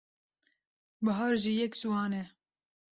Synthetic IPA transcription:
bəɦɑːɾʒiːjɛksuwɑːnɛ

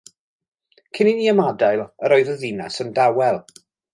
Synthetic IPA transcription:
kʰɪniniːəmadajlˠəɾɔjðəðinasəndawɛlˠ

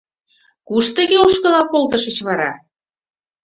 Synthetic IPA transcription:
kuʃt̪ə̆ɣeoʃkɤ̆lɑpolˠt̪ɤʃə̆t͡ɕβɑɾɑ̰

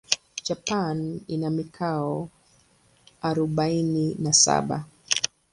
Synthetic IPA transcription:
d͡ʒapaninamikʰaɔ | aɾɔɓaininasa̰ɓa̰

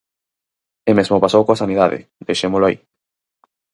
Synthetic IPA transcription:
emezmopasowkoasaniðaðɪ̰d̪ejʃemolʊaḭ

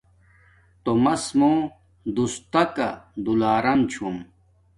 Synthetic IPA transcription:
t̪omɐsmoː | d̪ust̪ɐkɐ̰d̪ulaːɾɐmt͡ɕʰum

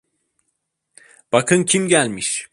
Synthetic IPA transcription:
b̥akʰɯncʰimɟælʲmiʃ

